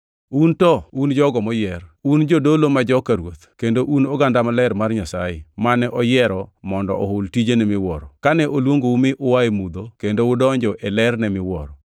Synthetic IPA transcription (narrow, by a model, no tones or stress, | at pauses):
untɔund͡ʒɔɡɔmɔjɛrund͡ʒodolomad͡ʒɔkaɾwot̪kendoʔunoɡandamalɛɾmarɲasajḛmanɛʔɔjɛɾɔmɔndɔ̰ʔɔhʊltid͡ʒenɛmɪwɔɾɔkanɛʔolwoŋɡoumɪʔʊwaemud̪okendoʊdɔɲd͡ʒɔʔɛlɛrnɛmɪwɔ̰ɾɔ